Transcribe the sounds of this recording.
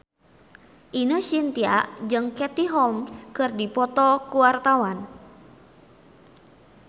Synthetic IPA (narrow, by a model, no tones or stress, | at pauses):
ʔinəsint̪ia̰ʔd͡ʒɨŋkɛt̪iɦɔlmskɨrdipɔt̪ɔkuwart̪awan